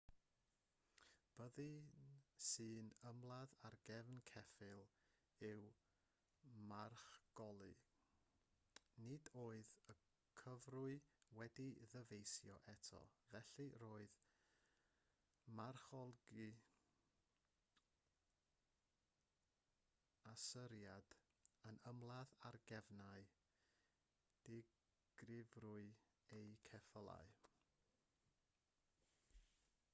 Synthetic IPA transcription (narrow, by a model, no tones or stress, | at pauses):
b̥əðɨ | sɨːnəmlˠaðarɡɛvnkʰɛfɪlˠ | ɪw | marχɡ̥ɔlˠɨ | nɪdoːɨðə | kʰəvrʊɨwɛdiðəvejsjɔ̰ʔɛtʰɔ̰vɛɬɨroːɨð | marχɔlˠɡi | asəɾjad̥ | ənəmlˠaðarɡɛvnaɨ | d̥ɪ | ɡ̥rɪvrʊɨ | ejkʰɛfəlˠa̰j